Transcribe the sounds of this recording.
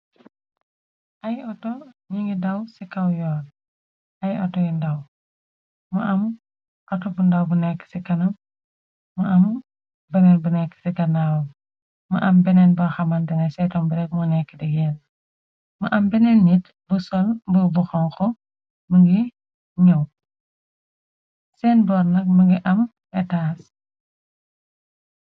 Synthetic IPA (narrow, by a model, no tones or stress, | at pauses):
ʔɐjɔtɔɲiŋɡidɐwsikɐwjɔːl | ʔɐjɔ̰tɔjindɐw | muʔɐm | ʔɔtɔbundawbunɛkːə̥sikɐnɐmː | uʔɐm | bɛnɛnbunɛkːsikɐnaw | mɐ̰ʔɐmbɛnɛnbɐxɐmɐndɛnɛsɛtɔmbiɾɛk̚munɛkːidiɡɛːn | mɐʔɐmbɛnɛnːit | busɔlbubuxɔŋkɔ | məŋɡi | ɲɐw | sɛːnbɔːɾnɐk̚məŋɡiʔɐm | ɛtaːs